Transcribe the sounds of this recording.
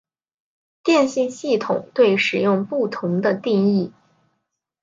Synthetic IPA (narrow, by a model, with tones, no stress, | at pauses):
t̪jɛ˥˧nɕi˥˧nɕi˥˩t̪ʰʊ̰˨˩˦ŋt̪we˥˩ɪʂɻ̩˨˩jʊ˥˧ŋpu˥˩t̪ʰʊ˧˥ŋd̪ə˧t̪i˥˧ŋi˥˩